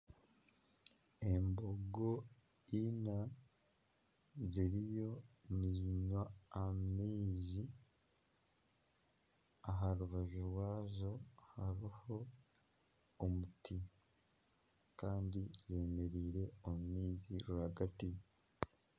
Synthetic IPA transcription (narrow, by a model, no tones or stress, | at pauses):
e̞mbo̞ɡo | ina | ziɾijo̞niziɲwaːmiːzi | aɦaɾuβaʒuɾwaːzo̞haɾiho̞ | mutʰi | kaːndize̞ːme̞ɾiːɾe̞omumiːziɾuhaɡati